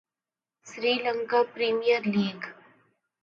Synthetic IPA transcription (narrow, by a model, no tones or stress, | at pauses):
sɾiːlə̃ŋkapɾiːmijəɾliːɡ